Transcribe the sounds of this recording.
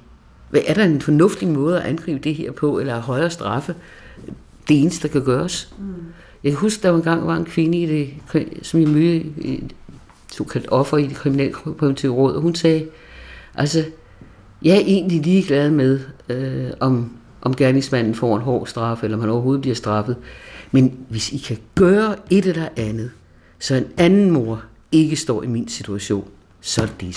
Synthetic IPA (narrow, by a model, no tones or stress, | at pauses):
ʋæʔæɐɾ̥ɑ̈e̝nfɒ̽nɔ̽fd̥imɔ̽ːð̞̩ˠæʔænɡ̥ʁḭːb̥əd̥e̝he̝ɐ̰pʰɒ̽elɐæɦɒ̽ɪɐːsd̥ʁɑ̈fə | d̥e̝eːnəsd̥ə̥d̥ɑ̈kʰæɡ̥ɶːɐs | jɑ̈kʰæɦusɡ̥əd̥ɑ̈ʋɑe̝nɡ̥ɑ̈ŋ̰ʋɑ̈enkʰʋe̝nəid̥e̝kʰisɒ̽mjɑmøə | sɔ̰ːkʰæl̰d̥ɒ̽fʁɐid̥e̝kʰiminɛ̰ːlkʰimnt͡sʰḭʊʁɔ̽ð̰ˠɒhunsɛː | ʔælsə | jɑ̈æɐʔe̝̰ːnliliːɡ̥læð̞ˠmeðˠ | ɒ̽m | ʔɒ̽mɡ̥æɐne̝ŋsmæn̰n̩fɒ̰ːenɦɒ̰̥ːsd̥ʁɑ̈fəelɐɒmhænɒʊɐɦo̝ːð̩ˠbliɐsd̥ʁɑ̈fð̞̩ˠmenʋe̝sikʰæɡ̥ɶːɐe̝d̥elɐʔænð̞̩ˠ | sɒ̽e̝nænn̩mo̝ɐ̰ | e̝ɡ̥əsd̥ɒ̰ːiminsit͡sʰuæɕo̝̰ːn | sɒ̽d̥e